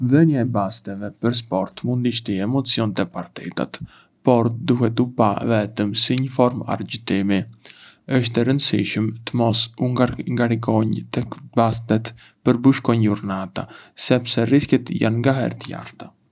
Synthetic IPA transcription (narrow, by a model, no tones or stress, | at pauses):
vɛnjaɛbast̪ɛvɛpəɾs̬pɔɾt̪mund̪iʃt̪iɛmɔt͡siɔnt̪ɛpaɾt̪ɛ̰t̪a̰t̪ | pɔɾd̪uɦɛt̪upavɛt̪əmsiɲəfɔɾma̰ɾd͡ʒit̪imi | əʃt̪ɛɾənd̪əsḭʃəmt̪əmɔsuŋɡaŋɡaɾikɔɲt̪ɛkbast̪ɛt̪ | pəɾbuʃkɔɲuɾnat̪asɛpsɛriskɛt̪ja̰nŋɡaɦɛ̰ɾt̪əja̰ɾt̪a